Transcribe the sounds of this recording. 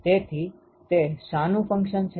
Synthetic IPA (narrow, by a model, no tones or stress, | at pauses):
t̪et̪ʰi | t̪esanũfə̃ŋkʃənt͡ʃʰ